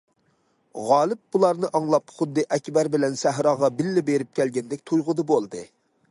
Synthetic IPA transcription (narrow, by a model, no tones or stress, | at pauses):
ʁɑːlˠɪp̚bulˠɑɾnɨʔɑŋlˠɑpχʊd̪ːɨʔɛkʲbæɾbɪlɛnsæɦɾɑːʁɑbɪlːɪbeɾɪp̚kʲʰɛlɡʲɛnd̪ɪkʲt̪ʰujʁʊd̪ɨbolˠd̪ɨ